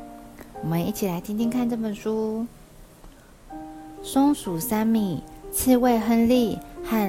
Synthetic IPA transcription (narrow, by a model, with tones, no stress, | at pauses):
wɔ˨˩mə˧˦ni˥˩t͡ɕʰi˨˩la˧˥ɪt̪ʰi˥nt̪ʰi˥ŋkʰa˥˧nʈ͡ʂɤ˥˩pə˨˩nʂu˥ | sʊ˥ŋsu˨˩sa˥nmi˥˩t͡ɕ̩ʰ˥˧we˥˧ɪxə˥nli˥˧xa˥˩